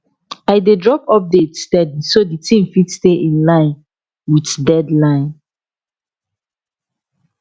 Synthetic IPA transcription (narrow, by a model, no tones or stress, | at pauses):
aɪdedɹɔpɔp̚detstɛdisoditʰĩmfitsteʔĩnlãɪ̃n | witdɛdlãɪ̃n